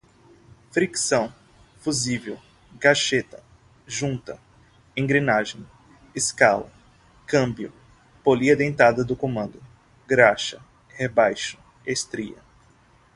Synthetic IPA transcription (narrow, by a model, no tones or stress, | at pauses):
fɾiksɐ̃w̃ | fuzivew | ɡaʃet̪ɐ | ʒũnt̪ɐ | ẽŋɡɾĩnaʒẽj̃ | eskalɐ̰ | kɐ̃mbjʊ̰ | poliɐd̪ẽnt̪ad̪ɐd̪ʊkomɐ̃nd̪ʊ | ɡɾaʃɐ | hebajʃʊ̥ | est̪ɾḭɐ̰